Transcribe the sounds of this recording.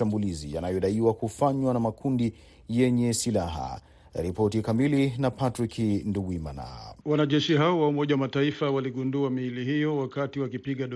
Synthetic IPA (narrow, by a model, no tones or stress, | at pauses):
ambulizija̰najɔɗaiwakufaɲwanamakʰundi | jɛɲɛsilaɦa̰ | ɾipɔtikamilinapatɾikʰinduɡwima̰na̰wanaʄɛʃiɦaɔwaumɔʄawamataifawaliɠunduamiilihijɔwakatiwakipiɠaɗ